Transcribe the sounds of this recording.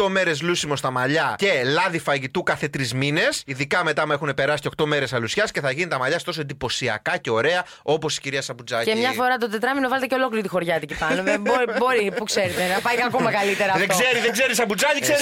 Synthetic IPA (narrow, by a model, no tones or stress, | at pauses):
t̪o̞me̞ɾe̞zlusimo̞st̪ɐmɐʎɐce̞lɐðifɐʝit̪ukɐθe̞t̪ɾizmine̞siðikɐme̞t̪ɐme̞xune̞pe̞ɾɐsiceo̞kt̪o̞me̞ɾe̞sɐlusçɐsce̞θɐʝinit̪ɐmɐʎɐst̪o̞soed̪ipo̞siɐ̰kɐce̞o̞ɾe̞ɐ | o̞po̞si̥ciɾiɐsɐbud͡zɐccemɲɐfo̞ɾɐt̪o̞d̪et̪ɾɐminovɐle̞t̪eceo̞lo̞kliɾit̪ixo̞ɾʝɐt̪icipɐnomeboɾibo̞ɾipukse̞ɾet̪enɐpɐjɐkomɐkɐlit̪eɾɐːðeɡzseɾiðeɡze̞ɾisɐbud͡zɐʎikseɾ